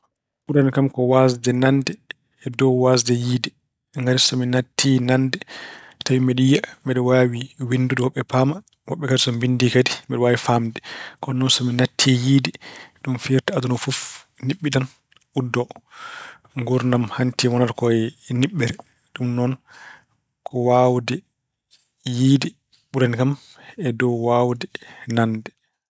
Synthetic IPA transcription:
ʔuɾankamkɔwasdɛnandɛː | dɔwwasdɛjiːdɛ | ŋɡaɾisɔminatʰːinandɛtawimɛɗijamɛɗɔwawiwinduduwɔɓːɛpaːma | wɔɓːɛkadisɔmbindikadimɛɗɔwaːwifamdɛkɔnɔnsɔminatʰːijiːdɛɗumfiɾtaadunɔfuf | niɓːiɗan | ʔudːɔ | ŋɡuɾnamhantiwɔnaɾkɔɛniɓːɛɾɛ | ɗumnɔn | kʰɔwawdɛ | jiːdi | ɓuɾɛnkam | ɛdɔwwawdɛnandɛ

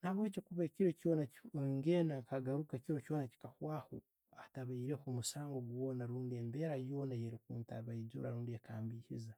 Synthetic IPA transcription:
naβwecikuβekiɾocoːnaŋɡeːnaŋkaɡaɾukakiɾo̞co̞ːnaci̥kahwaːho̰ | ataβaiɾe̞kumusaːŋɡo̞ɡwo̞ːnaɾuːndiembeːɾajo̞ːnajeɾikuːntaβaizṵɾa̰ɾuːndiekaːmbiːhiza

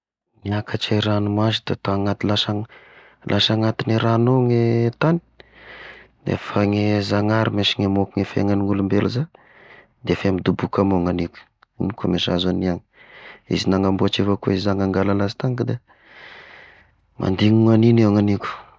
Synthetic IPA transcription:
niakʰat͡ʃajɾanumaʃi̥t̪at̪aŋat̪ilaʃaŋ | lʔaʃaŋat̪iniɾanoŋet̪ani̥ | d̪ḛfaŋezaŋaɾimeʃiŋemokuŋefḛŋaniŋulumbelaza | d̪efemid̪ubukamoŋanikʲu̥ | inikomeʃazaniaŋiḭzinaŋambuat͡ʃefakuizizaŋaŋɡalalazi̥t̪aŋkd̪e | mʔa̰nd̪iŋuŋaninewaŋanikʲu̥

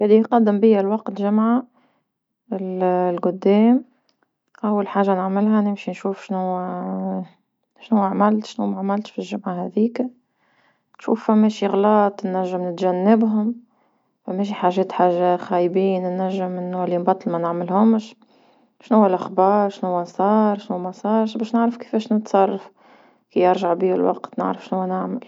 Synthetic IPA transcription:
jalːiqɑd̪ːɪmbijælwɑqt̪ʒɪmʕa | ɪllɡʊd̪ːɛːm | ʔæwːalħaːʒanɪʕmɪlɦænɪmʃinʃuːfʃnʊwː | ʃnʊwːaʕmɪlt̪ʃnumaʕmælt̪filʒʊmʕaɦɛðiːk | nʃṵːfːæmːɛːʃiɣlɑːt̪ˤnːæʒːɪmnɪt̪ʒænːɪbɦʊm | fæmːɛːʃ̬iħaːʒɛːt̪ħaːʒaxæːjbiːnnːæʒːɪmɪnːæliːmbɑt̪ˤːlmɛnaʕmɪlhʊmʃ | ʃnʊwːælʔaxbɑːɾˤʃnʊwːæsˤɑːɾˤʃnʊwmæsˤɑːɾˤʃbɛːʃnaʕɾəfkə̥fɛːʃnət̪sˤɑrˤːɑf | kijɑɾʒaʕbiːɪlwɑ̰qt̪nɪ̰ʕɾəfʃnʊwːænaʕmal

